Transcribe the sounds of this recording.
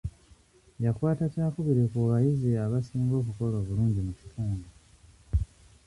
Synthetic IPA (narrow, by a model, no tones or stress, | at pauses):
jakwaːtacaːkuβiɾekuβajiziaβasiːŋɡo̞ːkuko̞loːβuluːɲɟimuci̥tʰaːŋɡa